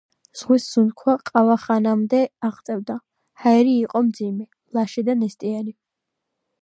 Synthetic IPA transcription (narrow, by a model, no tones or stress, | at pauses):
z̥ʁwisz̥unkʰwaqʼavaχanamd̪ɛaʁt̪sʼɛvd̪a | haɛɾiːqʼɔmd̪zimɛ | lˠaʃɛd̪anɛst̪ʼiani